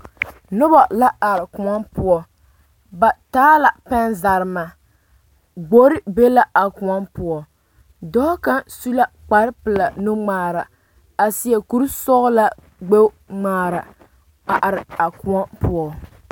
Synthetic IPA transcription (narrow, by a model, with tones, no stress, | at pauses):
nʊ˦ba˨la˦a˨ɾɪ˨kʊ˨ŋa˦npʊ˦ɔ˨ | ba˨taː˦la˨pɛ˦nza˨ɾɪ˨ma˨ | ɡ͡bo˦ɾɪ˦be˦la˦ʔa˨kʊ˨ŋa˦npʊ˦ɔ˨ | dɔ˦ka˦nsu˦la˦ | k͡pa˨ɾɪ˦pɨ˨la˨nʊ˦ŋ͡maː˨ɾa˨ | a˨si˦ɛ˨ku˦ɾsɔ˦ɣʊ˦la˦ | ɡ͡be˦ŋ͡maː˨ɾa˨ | a˨ʔa˨ɾɪ˨a˨kʊ˨a˦pʊ˦ɔ˨